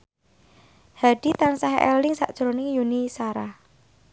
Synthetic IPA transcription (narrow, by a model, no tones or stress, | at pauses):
haɖ̥it̪ansaɦʔɛ̰llɪŋsa̰ʔd̥ʒ̥ɾonɪŋjunisaɾah